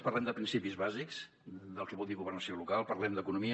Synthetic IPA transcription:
pərlɛmd̪əpɾinsipizβazikz̥ | d̪əlˠkɛβɔlˠd̪iɣuβərnəsiolukalˠpərlɛmd̪əkunumi

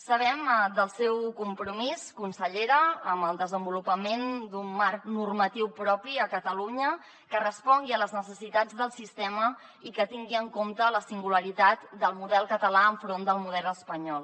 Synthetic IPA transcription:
səβ̞ɛmd̪əlˠsɛwkumpɾumiskunsəʎeɾəəməlˠd̪əzəmbulupəmend̪umːarknurmət̪iwpɾɔpiəkət̪əluɲə | kərəspɔŋɡiələznəsəsit̪ad͡zðəlˠsist̪ɛmə | ikət̪iŋɡiəŋkomt̪ələsiŋɡuləɾit̪at̪d̪əlˠmuðɛlˠkət̪əlaəɱfɾond̪əlˠmuðɛləspəɲɔlˠ

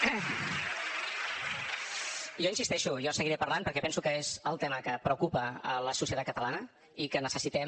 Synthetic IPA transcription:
ʒɔinsist̪ɛʃujɔsəɣiɾɛpəɾlanpəɾkɛpɛnsukəezəlˠt̪ɛməkəpɾəukupəə̰ləsusiət̪at̪kət̪əlanə | ikənəsəsit̪ɛm

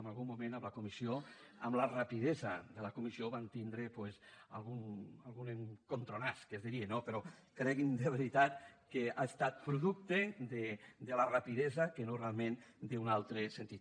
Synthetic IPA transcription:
malɣumːumẽnəmlakumisioəmlarapið̞ɛzɐðelakumisioβant̪ind̪ɾepweza̰lˠɣunalˠɣuneŋkont̪ɾonaskezðiɾienopeɾokɾɛɣind̪eβ̞eɾit̪at̪keaest̪at̪̚pɾuðuk̚t̪ed̪ed̪elarapiðɛzakenorealˠmẽnd̪eunalˠt̪ɾesent̪it̪

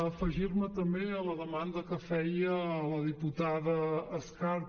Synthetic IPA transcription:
əfəʒiɾmət̪əmbeələðəmand̪əkəfɛjələðiput̪aðəːskaɾ

